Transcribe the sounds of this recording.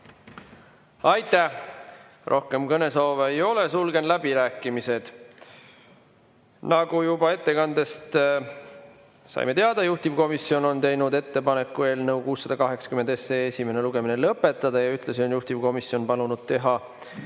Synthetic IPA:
ɑjt̪ˑːæ | rʔo̞hke̞mkɤne̞soːveejo̞le̞sulɡ̥e̞nlæbiɾæːkːˑimise̞d̪̥ | nɑɡ̥ujubɑe̞t̪ːe̞kɑnd̪e̞st̪ | sɑ̰jme̞t̪e̞ɑd̪ɑjuht̪ivko̞misːio̞no̞nt̪e̞jnud̪e̞t̪ːe̞pɑne̞kːˑue̞ːlnɤukuːsːɑd̪̥ɑkɑɦe̞ksɑ̥kyme̞nd̪e̞seːesime̞ne̞luɡ̥e̞minelɤpːˑe̞t̪ːˑɑd̪̥ɑjɑyht̪lesio̞njuht̪ivko̞misjo̞npɑlunud̪̥̚t̪e̞ɦɑ

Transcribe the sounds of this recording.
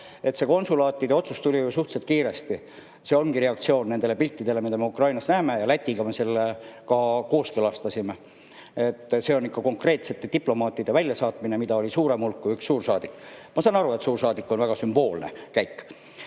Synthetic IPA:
e̞t̪se̞ko̞nsulɑːt̪ːˑid̪eo̞t̪sust̪ulʲijusuht̪set̪kiːɾe̞st̪i | se̞o̞nɡ̥iɾe̞ɑkt̪sio̞ːnːe̞nd̪̥ele̞pilʲt̪ːid̪e̞le̞mid̪ɑme̞ukrɑjnɑsnæːme̞jɑlæt̪ʲːiɡɑme̞selːekɑko̞ːskelɑst̪ɑsime | et̪ːse̞o̞nikːɑko̞ŋkre̞ːt̪se̞t̪ːe̞t̪iplo̞mɑːt̪ːˑid̪̥evælʲjɑsɑːt̪minemid̪ɑo̞lisuːɾe̞mulkːuyksːuːrsɑːd̪̥ikːmɑsɑnɑɾue̞t̪suːrsɑːd̪ikːˑo̞nvæɡ̥ɑsymb̥o̞ːlnḛkæjkː

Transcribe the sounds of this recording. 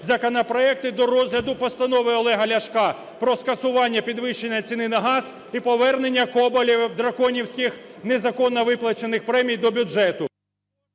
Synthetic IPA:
zɐkɔnɐpɾɔɛk̚t̪ɪd̪ɔɾɔzʲɦlʲɐd̪ʊpɔst̪ɐnɔʋɪɔlˠɛɦɐlʲɐʃkɑ | pɾɔskɐsʊʋɑnʲːɐpʲid̪ʋɪʃt͡ʃːe̞nʲːɐt͡sʲinɪnɐɦɑz | ipɔʋɛrne̞nʲːɐkɔbɔlʲiwd̪ɾɐkɔnʲiwsʲkɪxnezɐkɔnːɔʋɪplˠɐt͡ʃenɪxpɾɛmʲijd̪ɔbʲʊd͡ʒɛt̪ʊ

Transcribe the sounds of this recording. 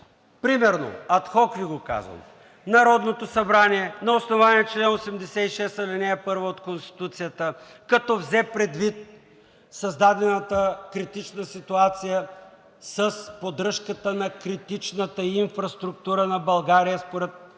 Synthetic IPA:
pɾimɛɾno̰ɐt̪xɔkviɡoka̰zvə̰m | nɐɾɔd̪not̪osɐbɾaniɛnɐosnovaniɛt͡ʃlɛnosɛmd̪ɛsɛiʃɛsɐlɛnɛɛpɤɾvəot̪konst̪i̥t̪ut̪sijət̪əkɐt̪ɔvzɛpɾɛd̪vit̪̚ | sɐzd̪ad̪ɛnət̪əkɾit̪it͡ʃnəsit̪uat̪sijə | səspod̪ɾɤʃkət̪ənɐkɾit̪it͡ʃnət̪əinfɾɐst̪ɾuk̚t̪uɾənɐbɐlˠɡaɾijəspoɾɛt̪̚

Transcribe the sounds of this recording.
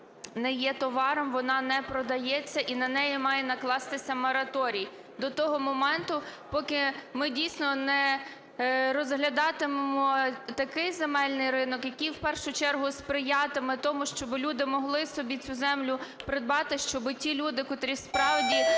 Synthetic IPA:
nɛjɛt̪ɔʋɑɾɔmʋɔnɑnɛpɾɔd̪ɐjɛt͡sʲːɐʔinɐnɛjimɑjɛnɐklˠɑst̪ɪsʲɐmɔɾɐt̪ɔɾʲij | d̪ɔt̪ɔɦɔmɔmɛnt̪ʊpɔkɪmɪdʲijsʲnɔnɛ | ɾɔzɦlʲɐd̪ɑt̪ɪmemɔt̪ɐkɪjzemɛlʲnɪjɾɪnɔkjɐkʲijwpɛrʃʊt͡ʃɛrɦʊspɾɪjɑt̪ɪmɪt̪ɔmʊʃt͡ʃɔbɪlʲud̪ɪmɔɦlˠɪsɔbʲit͡sʲuzɛmlʲʊpɾɪd̪̚bɑt̪ɪʃt͡ʃɔbɪtʲilʲud̪ɪkɔt̪ɾʲispɾɑwdʲi

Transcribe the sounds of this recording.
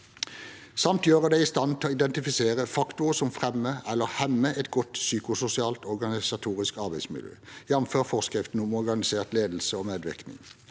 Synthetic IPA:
sɑmt̪jøːʁəd̪ɛɪst̪ɑnt̪ʰɛoːɪd̪ɛnt̪ɪfɪseːʁəfɑkt̪ʊəsɔmfʁɛmːəɛlːəʁhɛmːəʔɛt̪ɡɔt̪syːkʊsʊsɪɑːlt̪ɔʁɡɑnɪsɑt̪ʰuːʁɪskɑʁbæɪd̪smɪ̰ljø̰ːjɛnəmføːʁfɔʁskʁɪft̪n̩ʊmɔʁɡɑnɪseːʁt̪leːd̪l̩səoːmeːd̪ʋɪ̰knɪ̰ŋ

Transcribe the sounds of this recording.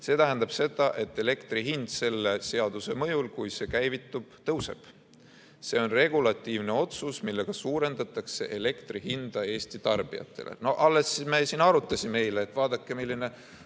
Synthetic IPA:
se̞ːt̪æɦænd̪̥ɑb̥se̞d̪̥ɑʔe̞t̪ːˑe̞le̞kt̪riɦind̪̥se̞lːe̞se̞ɑd̪̥use̞mɤ̞julkujse̞kæjvit̪ˑːub̥t̪ɤwse̞̰b̥ | se̞o̞nre̞ɡulɑt̪ːˑiːvne̞o̞t̪susmilːe̞ɡ̥ɑsuːɾe̞nd̪̥ɑt̪ːˑɑkse̞ʔe̞le̞kt̪riɦind̪̥ɑe̞ːst̪it̪ɑrb̥ḭjɑ̰t̪ˑːe̞̰lḛno̞ʔɑlːe̞smesinɑɾut̪ˑːɑsʲimːe̞jleːt̪vɑːd̪̥ɑkːe̞milːine̞

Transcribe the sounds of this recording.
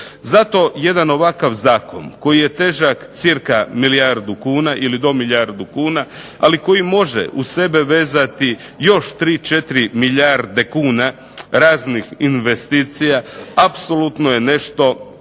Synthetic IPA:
zat̪o̞je̞d̪ano̞ʋakaʋzaːko̞̰nko̞jije̞t̪e̞ːʒakt̪siɾkamilijaɾd̪ukuːnaʔilid̪o̞miʎjaɾd̪ukuːna | aliko̞jimo̞ʒḛʔuse̞be̞ʋe̞ːzat̪i | jo̞ʃt̪ɾiːt͡ʃe̞t̪iɾimiʎaɾd̪ekuːna | ɾaːznixinʋe̞st̪iːt̪sijaapso̞lut̪no̞je̞ne̞ʃt̪o̞

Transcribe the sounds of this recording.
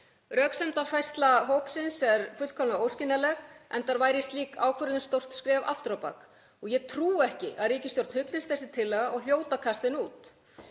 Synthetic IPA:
rœːksɛmt̪ḁfajst̪laɦowpsɪnsɛɾfʏt̪kʰɔlnaoːwscɪnːalɛɣʔɛ̰nt̪aɾvaːjɾɪst̪liːkʰa̰ːwkʰvœɾʏt̪nɪst̪ow̥t̪skɾɛːva̰ft̪ɾapa̰k | ɔɣjɛɣt̪ʰɾuːɛhcɪʔaðɾiːcɪst̪jowɾt̪nhʏt̪lɪst̪θɛsɪ̥t̪ʰɪlːɛːɣaʔɔɣl̥joːwt̪akʰast̪ɪnuːt̪

